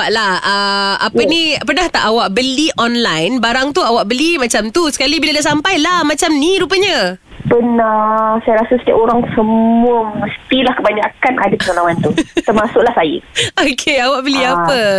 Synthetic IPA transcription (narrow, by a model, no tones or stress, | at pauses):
aʔlahəapənipərnaht̪aʔawaʔ̚bəliʔɔnlajnbaɾaŋt̪uawaʔbəlimat͡ʃamt̪usə̥kalibiladaʔsampajlahmat͡ʃamniɾupəɲa | pənasajaɾasasə̥t̪ia̰ʔoɾaŋsəmuəməst̪ilahkəbaɲakanʔa̰dapəŋalawant̪ut̪ərmasʊʔlahsajə̰okʰeawaʔbəliapə